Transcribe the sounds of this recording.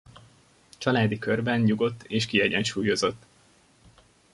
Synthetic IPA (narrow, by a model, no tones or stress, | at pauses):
t͡ʃɒlaːd̪ikørbɛnɲuɡo̞t̪ːeːʃkiɛɟɛnʃuːjo̞zo̞t̪ː